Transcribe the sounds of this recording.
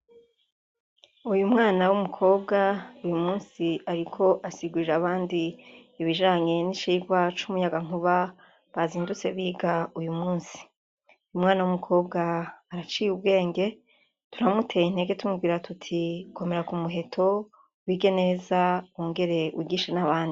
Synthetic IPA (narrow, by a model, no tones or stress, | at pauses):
ujumŋaːnawumukʰo̞ːbɡaujumuːnsiaɾikʰo̞ʔasiɡuiɾaβaːndiːβiʒaːɲe̞nit͡ʃiːɡwat͡ʃumujaɡaŋuβa | βaziːndut͡se̞βiːɡaujumuːnsi̥ | ujumŋaːnawumukʰo̞ːb̚ɡaːɾat͡ʃiːjub̚ɡe̞ːŋɡe̞ | tuɾamutʰe̞jin̥e̞ːɡe̞tumuɡiːɾatʰutʰikʰo̞me̞ɾakumuɦe̞tʰo̞ | wiːɡe̞ne̞zawoːŋɡe̞ɾe̞ṵiɡiːʃenaβaːndi